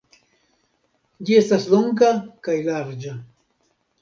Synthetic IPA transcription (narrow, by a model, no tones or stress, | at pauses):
d͡ʒie̞stasloŋɡakajlaɾd͡ʒa